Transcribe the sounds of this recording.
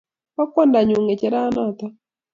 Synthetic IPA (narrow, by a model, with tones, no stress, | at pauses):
wa˦kwɔ˦nda˨ɲu˨ŋe˨t͡ʃɛ˨ɾa˦na˦˨t̪a˦